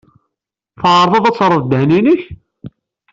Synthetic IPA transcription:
θəʕɾˤðˤɑðæt͡sːɾˤəvd̪əhniniç

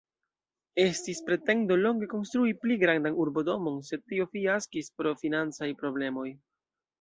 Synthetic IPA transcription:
e̞stispɾe̞te̞ndo̞lo̞ŋɡe̞ko̞nst̪ɾuipliɡɾandanuɾbo̞do̞mo̞nse̞d̚tːio̞fiaskispɾo̞finant͡sajpɾo̞ble̞mo̞j

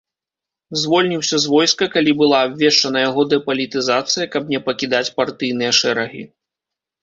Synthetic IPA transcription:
zvɔlʲnʲiwsʲɐzvɔjskɐkalʲibɨlˠaːbʲvʲɛʂt͡ʂɐnɐjaɣɔd̪ɛpɐlʲit̪ɨzat̪sɨjɐkɐbnʲɛpɐkʲid̪at͡sʲpart̪ɨjn̪ɨjɐʂɛɾɐɣʲḭ

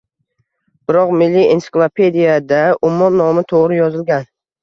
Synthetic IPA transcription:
b̥ɪɾɒqmɪlːiḛnsɪ̥klˠapʰe̞d̪ijad̪aʊmːɒmnɒmɪt̪ʰoʁɾɪjɒzɪlɡʲan

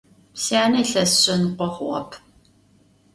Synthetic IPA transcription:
psjaːnɐɬɐsɕʼɐnqʷɔχʷʊʁɐ̰pʰ

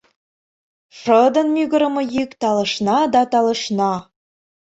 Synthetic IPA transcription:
ʂəd̪ɤ̆nmyɣə̆ɾə̆mɤ̆jykt̪ɑlɤ̆ʃnɑd̪ɑt̪ɑlə̆ʃnɑ

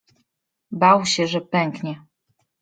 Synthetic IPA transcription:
bawɕɛʐɛpɛŋkɲɛ

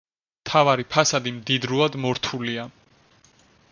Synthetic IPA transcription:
mt̪ʰavaɾipʰasad̪imd̪id̪ɾuad̪mɔɾt̪ʰulia

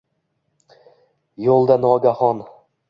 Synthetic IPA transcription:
jolˠd̪anɒɡʲahɒn

